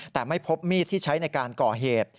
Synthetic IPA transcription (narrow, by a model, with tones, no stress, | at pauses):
t̪ɛː˨˩ma˥˩jpʰo˦˥p̚miː˥˩t̪ʰːiː˥˩t͡ɕʰa˦˥jna˧jkaː˧nkɔː˨˩ɦeː˨˩t̪̚